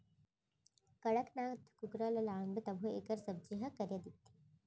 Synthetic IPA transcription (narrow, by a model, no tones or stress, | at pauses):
kɐɽɐknaːɡt̪kuɡɾɐlɐlaːŋbɐt̪ɐbʱuḛkɐɾsɐb̚d͡ʒiɦɐkɐɾjɐd̪it̪ːi̥